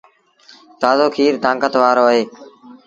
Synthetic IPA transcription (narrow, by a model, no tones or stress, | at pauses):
t̪aːzoːkʰiːɾd̪ãːŋkət̪ʋaːɾoːəɦeː